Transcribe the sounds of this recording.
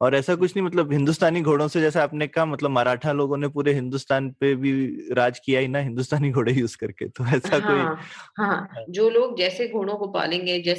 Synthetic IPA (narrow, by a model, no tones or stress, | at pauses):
ɔːɾɛːsak̬ʊt͡ʃʰnɐɦimɐt̪̬ləbɦɪ̃nd̪ust̪aːniɡʱoːɽõsed͡ʒɛːseaːpnekaamɐt̪ləbmaːɾaːʈʰaloːɡõnepuːɾeɦɪ̃nd̪ʊst̪aːnpebʱiɾaːd͡ʒkijaɦinaɦɪ̃nd̪ust̪aːniɡʱoːɽejuːzkɐɾkḛt̪oɛːsaɦoːiɦãd͡ʒoːloːɡ̚d͡ʒɛːseɡʱoːɽ̃õkopa̰ːlẽːŋɡed͡ʒɛː